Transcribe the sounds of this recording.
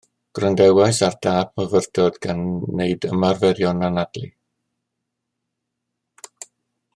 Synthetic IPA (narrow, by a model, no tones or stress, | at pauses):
ɡ̥rəndɛwaɨsard̥aːb̚məvərdɔdɡanːeɨdə̰marvɛɾjɔnanadli